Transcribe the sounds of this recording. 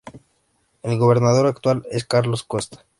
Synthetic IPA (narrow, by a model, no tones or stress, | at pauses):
elɣo̞β̞e̞ɾnað̞o̞ɾakt̪waleskaɾlo̞skost̪ḁ